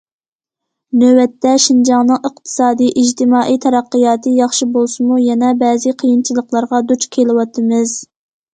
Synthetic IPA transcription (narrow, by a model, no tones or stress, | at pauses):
nøwɛt̪ːɛʃind͡ʒɑŋnɨŋəq̚t̪ʰɨ̥sɑːd̪ijʔid͡ʒt̪ʰɪmɑːʔijt̪ʰɛɾɑqːɨjɑːt̪ʰɨjɑχʃibolˠsɨmujɛnɛbɛːzɨqʰijint͡ʃʰilˠəqlˠɑɾʁɑd̪ut͡ʃkʲʰelɪwɑt̪ʰɨmɨz̥